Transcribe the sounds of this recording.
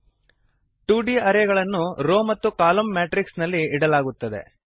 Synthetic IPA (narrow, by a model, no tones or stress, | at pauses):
ʈuːɖiːɐɾeɡɐɭɐnːuɾoːmɐt̪ːukaːlomːaːʈɾiksnɐlːiːɽɐlaːɡut̪ːɐd̪e̞̰